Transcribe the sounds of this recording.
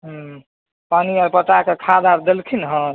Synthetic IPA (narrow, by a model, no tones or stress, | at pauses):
ɦ | paniaɾpəʈakekʰad̪abd̪elkʰinɦə̃ɾ